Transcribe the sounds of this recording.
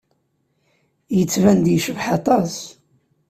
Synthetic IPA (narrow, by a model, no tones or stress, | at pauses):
jət͡sːvænd̪jəʃəvħɑt̪ˤɑs